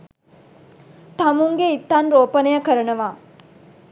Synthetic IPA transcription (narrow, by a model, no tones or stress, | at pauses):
t̪amuŋɡeit̪ːanɾoːpənejəkəɾənəʋaː